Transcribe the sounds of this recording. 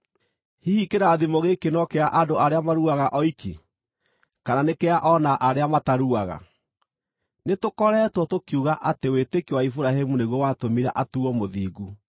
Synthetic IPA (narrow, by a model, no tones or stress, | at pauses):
hihikeɾaðimoɣekenɔkeaʔadoʔaɾeamaɾuaɣaʔɔikḛ | kananekeaʔɔnaʔaɾeamataɾuaɣa̰ | netokɔɾɛːtwɔtokjuɣaʔatewetekiwaifuɾaɦɛmuneɣwɔwatomiɾa̰ʔatuɔmoðiːɣu